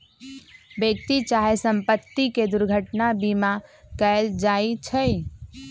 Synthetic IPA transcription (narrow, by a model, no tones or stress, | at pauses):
bek̚t̪it͡ʃaːɦesə̃mpət̪ːiked̪ʊɾɡʱəʈnabimakɛld͡ʒaːit͡ʃʰəi